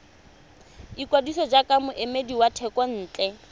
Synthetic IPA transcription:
ikwadisɔd͡ʒakʼamʊʔemediwatʰɛkʼɔn̩ːt͡ɬʼɛ

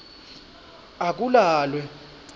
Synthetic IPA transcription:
ak̬ʼulaːlwɛ

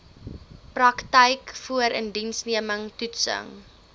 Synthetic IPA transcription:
prɐktəjkfuəɾəndinsniəməŋtutsə̰ŋ

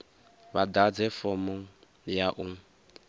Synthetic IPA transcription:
βadad͡zɛfɔmɔ | jaʔuŋ

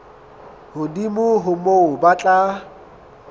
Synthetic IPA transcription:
hʊdimʊɦʊmoʊbat͡ɬʼa

